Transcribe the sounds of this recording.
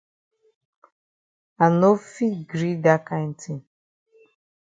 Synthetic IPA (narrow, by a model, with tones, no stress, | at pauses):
a˨no˦fi˦ɡɾi˦da˦ka˦n̩˦tʰi˦